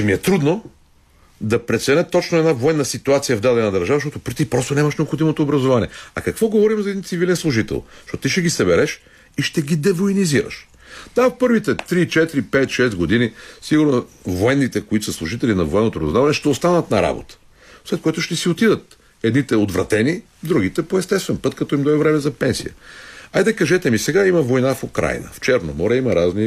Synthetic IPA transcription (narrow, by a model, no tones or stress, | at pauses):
t͡ʃɛmiɛt̪ɾud̪no | d̪ɐpɾɛt̪sɛnɛt̪ːɔt͡ʃnoɛd̪navoɛnːəsit̪uat̪sijɐvd̪ad̪ɛnɐd̪ɐɾʒavəʃt̪ɔt̪ʊpɾit̪ipɾɔst̪onɛamɐʃnɛopxod̪imot̪oːbɾɐzovanḭɛɐ̰kɐkvɔɡovɔɾimzɐɛd̪int̪sivilɛnslˠʊʒit̪ɛ̰lˠʃtɔt̪ʊt̪iʃɛɡisɐbɛɾɛʃ | iʃt̪ɛɡʲid̪ɛvoiniziɾə̰ʃ | d̪apɤɾvit̪ɛt̪ɾit͡ʃɛt̪iɾipɛt̪ʃɛst̪ɡod̪inisiɡʊɾnovoɛnːit̪ɛkoit̪ʊ̥səslˠʊʒit̪ɛlinɐvoɛnːot̪oɾozavɐnɛʃt̪ɛost̪anɐt̪nɐɾa̰bo̰t̪ə̥ | slɛt̪̚koit̪ʊʃt̪ɛsiot̪id̪ət̪̚ | ɛd̪nit̪ɛod̪vɾɐ̰t̪ɛni | d̪ɾuɡ̟it̪ɛpoɛst̪ɛst̪vɛnpɤt̪kɐt̪ɔimd̪ɔivɾɛmɛzɐpɛnsḭjə̰ajd̪ɐkɐʒɛt̪ɛmisɛɡaimɐvojnafokɾa̰jnə̰ft͡ʃɛɾno̰mɔɾʲɛimɐɾazni